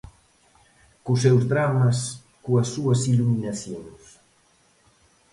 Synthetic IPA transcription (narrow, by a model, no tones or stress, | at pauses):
kusɛwzðɾamɐs | kuɐsːuɐsiluminasjoŋs